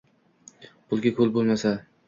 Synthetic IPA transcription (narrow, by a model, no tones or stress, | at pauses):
b̥ʊlˠɡʲakʰolˠbolˠmasa